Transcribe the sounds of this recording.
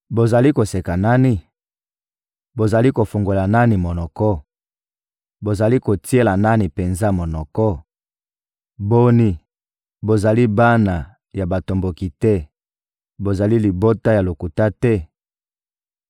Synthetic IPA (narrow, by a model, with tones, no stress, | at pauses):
bo˨za˨li˦ko˨se˨ka˨na˦ni˦ | bo˨za˨li˦ko˨fu˨ŋɡo˨la˨na˦ni˨mo˨nɔ˨kɔ˦ | bo˨za˨li˦ko˨ti˦e˦la˨na˦ni˨pe˨nza˦mo˨nɔ˨kɔ˦ | bo˦ni˦ | bo˨za˨li˦ba˦na˨ | ja˨ba˨to˨mbo˨ki˨tɛ˦ | bo˨za˨li˦li˨bo˦ta˦ja˨lo˨ku˨ta˦tɛ˦